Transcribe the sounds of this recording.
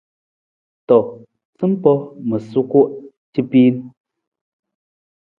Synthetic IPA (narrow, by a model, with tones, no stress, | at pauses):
tɔ˨ | t͡sɨ˦m˦pɔ˦mə˨su˦ku˦ʔ | ti˦piː˦n